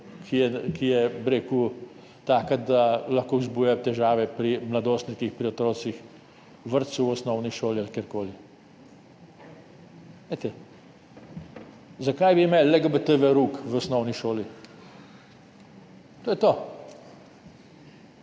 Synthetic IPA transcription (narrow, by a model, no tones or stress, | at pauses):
kʰijɛkijɛbɾeːku | t̪aːkad̪alaxkoːuzbuːjat̪ɛʒaːʋɛpɾimlad̪oːst̪nik̪ixpɾiɔt̪ɾoːsix | ʋəɾt̪suɔsnɔwniʃoːlialkʲjeːɾkoːli | let̪ɛ | zakajbiːmeːllːɛɡəbət̪əʋeɾuːkʋɔsnɔwniʃoːli | t̪oːjɛt̪oː